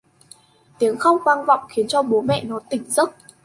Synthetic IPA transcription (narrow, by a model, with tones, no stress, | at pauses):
t̪i˨˦əŋxə˧wŋ͡mkwaː˧nva̰˧˨wŋ͡mxi˨˦ənt͡ɕɔ˧ɓo˨˦mɛ̰˧˨nɔ˨˦t̪ï˨˩ŋ̟zə˦˥t̚